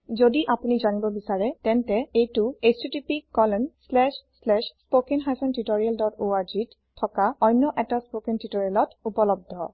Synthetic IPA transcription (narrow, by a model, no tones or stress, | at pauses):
zodiʔapunizanibɔbisaɹɛtɛntɛejtuestitipikːɔlɔnslɛʃslɛʃspokenɦajsɔntitoɹialdɔtoaɹd͡ʒit | tʰːɔkaɔjnːɔʔɛtaspokentitoɹialɔtupɔlɔb̚dʱɔ̰